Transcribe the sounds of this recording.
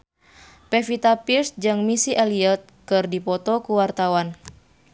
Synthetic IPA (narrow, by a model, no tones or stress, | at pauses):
pɛfit̪apirsd͡ʒɨŋmisiʔɛliət̪̚kɨrdipɔt̪ɔkuwart̪awan